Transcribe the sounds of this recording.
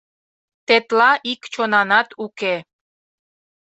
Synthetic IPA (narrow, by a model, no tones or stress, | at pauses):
t̪et̪lɑʔikt͡ɕonɑnɑt̪uke